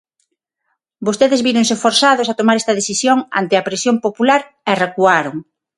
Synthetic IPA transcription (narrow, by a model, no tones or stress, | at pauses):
bost̪eðezβiɾoŋsɪfoɾsaðʊsat̪omaɾɛst̪ɐðeθisjoŋa̰nt̪eɐpɾesjompopulaɾ | ɛrekuaɾoŋ